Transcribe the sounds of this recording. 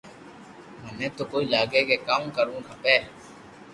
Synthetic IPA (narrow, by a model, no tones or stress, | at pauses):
mənẽːt̪oːkoːiːlaːɡeːkeːkaːmkəɾũːnɦəpeː